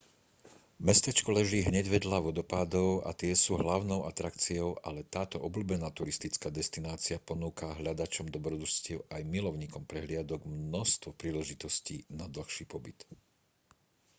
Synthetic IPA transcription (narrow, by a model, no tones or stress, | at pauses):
mɛst̪ɛt͡ʃkɔlɛʒiːɦɲɛɟʋɛd̪laʋɔd̪ɔpad̪ɔʊa̰t̪ɪɛsuːɦlaʊnɔʊʔat̪ɾakt͡siɔʊʔa̰lɛt̪aːt̪ɔʔɔblubɛnaːt̪uɾist̪it͡skaːd̪ɛst̪inaːt͡siapɔnuːkaɦʎad̪at͡ʃɔmd̪ɔbɾɔd̪uscɪɛʊʔajmilɔʊɲiːkɔmpɾɛɦlɪad̪ɔɡmnɔst̪ʋɔpɾiːlɛʒit̪ɔscḭnad̪l̩xʃiːpɔbit̪